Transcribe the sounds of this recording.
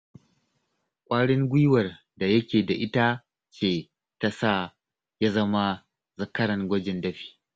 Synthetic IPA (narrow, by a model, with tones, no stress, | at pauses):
kʷʼaː˦ɽɪ˦ŋɡʷʊ˦wɐ˨r | da˨jɐ˦kʲeː˨da˨ʔɪ˦ta˦ | t͡ʃeː˦˨ | ta˦sa˦˨ | jaː˦zɐ˦ma˦ | zɐ˨kɐ˦ɾɐ˨ŋɡʷɐ˦d͡ʒɪ˨ndɐ˦ɸi̥ː˦